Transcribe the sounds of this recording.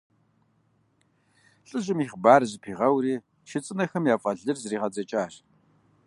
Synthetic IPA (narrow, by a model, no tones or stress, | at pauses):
ɬʼɨʑɪmiːχbaːrzɨpʰiːʁɐwriː | ʃɪt͡sʼɨnɐxɐmjaːfʼɐɮɨrzriːʁɐd͡zɐt͡ʃʼaːr